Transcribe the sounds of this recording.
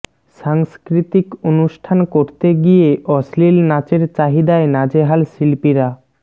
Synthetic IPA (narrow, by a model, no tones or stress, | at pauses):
ʃaŋskɾit̪ikonuʃʈʰankoɾt̪eɡijeʔɔslilnat͡ɕeɾt͡ɕaɦid̪aenad͡ʑeɦalsilpiɾa